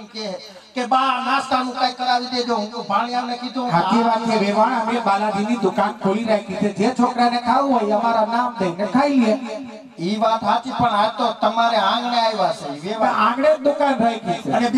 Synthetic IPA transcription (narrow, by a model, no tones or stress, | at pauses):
kie | kebanast̪anũkãikəɾaʋid̪ed͡ʒ̪oɦũpaɳ̃iamnekid̪ʱũɦat̪iʋat̪ʰeʋeʋaɳ̃amebalad̪inid̪ʊkankʰoliɾaɦikit͡ʃʰed͡ʒet͡ʃʰokɾanekʰaʋũɦojəmaɾanamd̪əinekʰailie | iʋat̪ɦat̪ipəɳat̪ot̪əmaɾeãŋɡneajʋaseʋeãŋɡɽed͡ʒd̪ʊkanɾajkʰisʰeəne